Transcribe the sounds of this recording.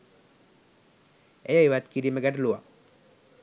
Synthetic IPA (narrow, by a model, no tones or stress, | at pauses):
ejaiʋat̪kiɾiməɡaʈluʋa